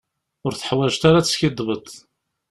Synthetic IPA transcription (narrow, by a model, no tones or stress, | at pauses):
ʊɾθə̥ħwæʒt̪aɾat͡sːsçɪd̪ˤːvət̪ˤ